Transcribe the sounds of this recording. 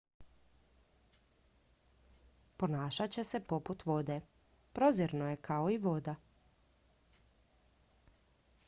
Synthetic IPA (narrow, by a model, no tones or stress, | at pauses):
po̞naːʃat͡ɕe̞sepo̞put̪ʋo̞d̪e | pɾoziɾnoje̞kʰaoiʋo̞d̪a